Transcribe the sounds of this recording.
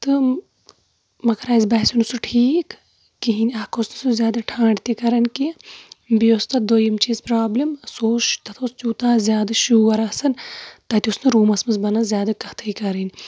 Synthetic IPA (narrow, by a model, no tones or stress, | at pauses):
t̪ɨ | mɐkɾaːzbɐːsʲunusuʈʰiːkː | iɦinʲɐkosnɨsuzʲjaːd̪ɐʈʰãːɳɖt̪ikɐɾɐnʲkibijost̪ɐd̪oːjɐmt͡ʃiːzpɾaːblʲimsoːʃt̪ɐt̪ʰoːst̪ʲuːt̪aːzʲjaːd̪ɐʃuːɐɾɐsɐnt̪ɐt̪ʲusnɨɾuːmɐsmɐzbɐnɐzʲjaːd̪ɐkɐht̪ʰɐikɐɾinʲ